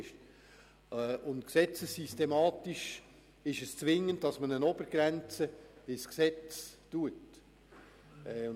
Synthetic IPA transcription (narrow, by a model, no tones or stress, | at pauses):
ʃ | ʊntksɛt͡səsːistemɑːtiʃ | ɪʃəst͡svɪŋːəntdɑsmənənɔbəɾɡ̥ɾɛnt͡səɪsksɛt͡stuət